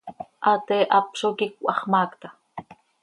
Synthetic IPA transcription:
ʔat̪eʔapʃokikʷɑχmaːkt̪ḁ

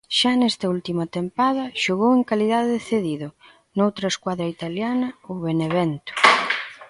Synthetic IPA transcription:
ʃanɛst̪ɐult̪imɐt̪empaðɐʃoɣoweŋkaliðaðeðeθeðiðʊ | nowt̪ɾɐeskwaðɾɐit̪aljanɐoβeneβɛnt̪ʊ̥

